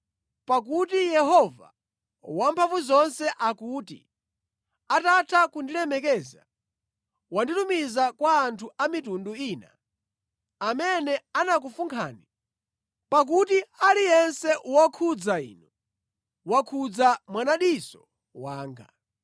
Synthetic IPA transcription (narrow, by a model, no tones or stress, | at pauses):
pak̬utijɛɦɔva̰ | wampʰaɱvuzɔnsɛʔakuːtḭ | atatʰakundiɾɛmɛkɛza̰ | wanditumizakwaːntʰuamitunduiːna | amɛnɛanak̬ufuŋkʰa̰ːni | pak̬utialijɛnsɛʔuwakʰud͡zaḭːnu | wakʰud͡zamwanaɗisɔ | waːŋɡa̰